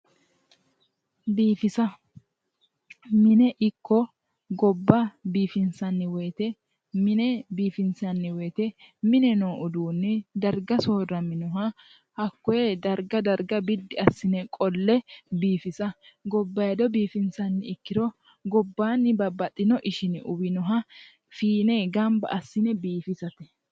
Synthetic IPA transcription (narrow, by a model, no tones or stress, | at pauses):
biːfɪsɐ | mɪnɛʔɪkːɔ | ɡɔbːɐbiːfɪnsɐnːɪweːt̪ɛ | mɪnɛbiːfɪnsɐnːɪweːt̪ɛmɪnɛnoːʔʊd̪uːnːɪd̪ɐɾɡɐsoːrɐmɪnʊɦɐ | hɐkːɔjed̪ɐɾɡɐd̪ɐɾɡɐbɪd̪ːɪɐsːɪnɛkʼɔlːɛbiːfɪsɐɡɔbːɐjɐd̪ɔbiːfɪnsɐnːɪɪkːɪd̪ɔ | ɡɔbːaːnːɪbɐbɐt̪ʼːɪnɔʔɪʃɪnɪʔʊbɪnɔɦɐ | fiːneɡɐmbɐ̰ʔɐsːɪnɛbiːfɪsɐt̪ɛ̥